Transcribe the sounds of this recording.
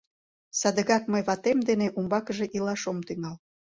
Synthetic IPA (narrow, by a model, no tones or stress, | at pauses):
sɑd̪əɣɑkməjβɑt̪emd̪eneʔumbɑkəʒeʔilɑʃomt̪yŋɑl